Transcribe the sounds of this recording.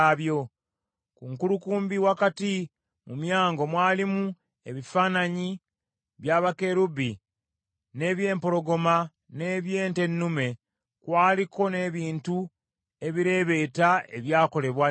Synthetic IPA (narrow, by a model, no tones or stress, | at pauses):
βjo̞ | kuŋkulukuːmbiwakati | mumjaːŋɡo̞mwaːlimu | e̞βifaːnaɲi | βjaːβake̞ɾubi | ne̞ːβje̞ːmpo̞ɾo̞ɡo̞ma | ne̞ːβje̞ːnte̞nːume̞ | kwaːlikʰo̞ne̞ːβiːntu | e̞βiɾe̞ːβe̞ːtae̞̰βjaːko̞le̞βwa